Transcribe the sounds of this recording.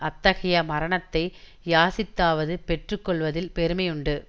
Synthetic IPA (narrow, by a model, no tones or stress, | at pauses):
ʔɐt̪ːɐɣɐjɐmɐɾɐɳɐt̪ːɐɪ | jaːsɪt̪ːaːʋɐðɯpɛʈrɯkːɔɭʋɐðɪlpɛɾɯmɐjʊɳɖɯ